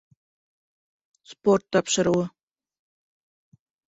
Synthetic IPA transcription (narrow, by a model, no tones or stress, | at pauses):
sport̪ːɑpʃɤ̆ɾuw